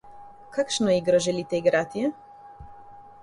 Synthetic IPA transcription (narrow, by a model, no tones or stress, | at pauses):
kakʃnɔiɡɾɔʒɛlit̪ɛiɡɾat̪ijɛ